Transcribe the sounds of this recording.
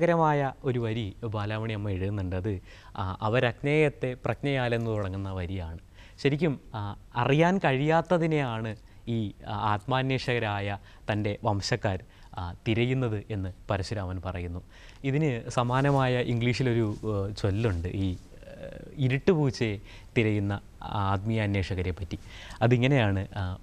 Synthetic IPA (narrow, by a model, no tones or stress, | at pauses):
ɣɐɾɐmaːjɐo̞ɾuʋɐɾibaːlaːmɐɳiɐmːɐeɻɨɣɨnːuɳɖɐðɨ | ʔɐʋɐɾɐkneːjɐt̪ːe̞prɐknɐjaːle̞nːɨt̪uɽɐŋːunːɐʋɐɾijaːɳɨ | ɕɐɾikʲːumɐrijaːnkɐɻijaːt̪ːɐðine̞jaːɳɨ | iːaːt̪maːnjeːʂɐɣɐɾaːjɐ | t̪ɐnde̞ʋɐmɕɐkːaːɾ | t̪iɾɐjunːɐðɨʔe̞nːɨpɐɾɐɕuɾaːʋɐnpɐrɐjunːu | iðinɨsɐmaːnɐmaːjɐʔiŋɡɭiːʂilo̞ɾut͡ɕo̞lːuɳɖɨʔiː | iɾuʈːɨpuːt͡ɕːe | t̪iɾɐjunːɐ | aːt̪mijɐːnːe̞ːʂɐɣɐɾe̞pːɐtːiɐðiŋːɐne̞jaːɳɨ